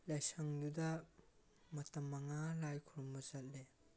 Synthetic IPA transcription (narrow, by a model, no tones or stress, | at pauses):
lɐjsɐŋdudɐ | mɐtɐmːɐŋalajkʰuɾumbɐzɐt̚le